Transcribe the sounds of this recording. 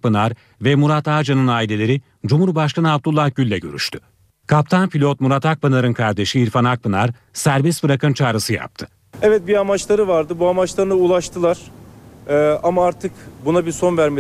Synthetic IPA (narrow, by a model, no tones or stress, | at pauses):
bɯnaɾ | vɛmuɾat̪aːd͡ʒanɯnaːilʲe̞lʲe̞ɾi | d͡ʒumuɾbaʃkanɯab̚d̪ulˠːahɟylʲːɛɟø̞̰ɾy̰ʃt̪ʰy | kʰap̚t̪ʰanpʰilʲo̞t̪̚muɾat̪ʰak̚bɯnaɾɯnkʰaɾd̪e̞ʃiːɾfanak̚bɯnaɾ | sæɾvisbɯɾakʰɯnt͡ʃʰaːɾɯsɯja̰p̚t̪ʰɯ̥ | ɛvɛt̪̚biamat͡ʃlˠaɾɯvaɾd̪ɯbuamat͡ʃlˠaɾɯnɯulˠaʃt̪ʰɯlˠaɾ̥ | amaaɾt̪ʰɯkbunabiɾso̞nvæɾme